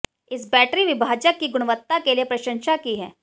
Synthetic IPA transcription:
ɪsbɛːʈɾiʋɪbʱaːd͡ʒəkːiɡʊɽ̃ʋət̪ːakeliepɾɐʃə̃nʃakiɦɛ̰ː

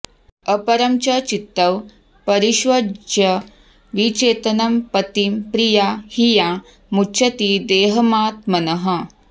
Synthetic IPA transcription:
ɐpɐɾɐmt͡ʃɐt͡ʃit̪ːɐw | pɐɾiʃʋɐd͡ʒjɐ | ʋit͡ʃeːt̪ɐnɐmpɐt̪impɾijaːhija | mut͡ʃʰɐt̪id̪eːɦɐmaːt̪mɐnɐɦɐ̆

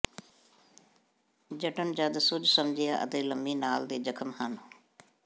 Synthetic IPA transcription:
d͡ʒəʈənd͡ʒad̪sʊd͡ʒsəmd͡ʒɪjaːʔə̰t̪eːləmbiːnaːld̪eːd͡ʒəkʰəmhaːno

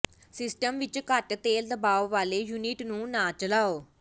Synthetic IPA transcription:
sɪsʈəmʋɪt͡ʃkəʈt̪eːld̪əbaːʋːaːleːjuːniʈnũːnãːt͡ʃəlaːoː

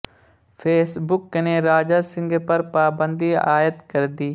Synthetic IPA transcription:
pʰeːsbʊkneːɾaːd͡ʒaːsɪ̃ŋɡpəɾpaːbə̃nd̪iːa̰ːjət̪kəɾd̪iː

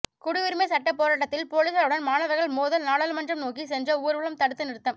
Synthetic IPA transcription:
kʊɽɪʋɪɾɯmeːsɐʈːɐpːoːɾaːʈ̬ːɐt̪ːɪlpoːliːsɐlɯɽɐnmaːnɐʋɐɾɣɐɭmoːðɐlnaːɽɐlmɐnd͡ʒrɐmnoːkisɛnd͡ʒɐuːɾʋɐɭɐmt̪ɐɽɯt̪ːɯnɪɾt̪ːɐm

